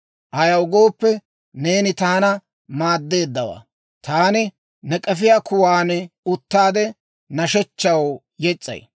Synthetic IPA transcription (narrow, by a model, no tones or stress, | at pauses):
ʔɐjɐwɡo̞ːpːɛ | ne̞ːnɪt̪aːnɐ | maːd̪ːe̞ːd̪ːɐwa̰ː | t̪aːnɪ | nɛkʼɛfɪjaːkʰʊwaːnʊt̪ːaːd̪ɛ | nɐʃɛt͡ʃːɐw | jɛt͡sʼːɐ̰j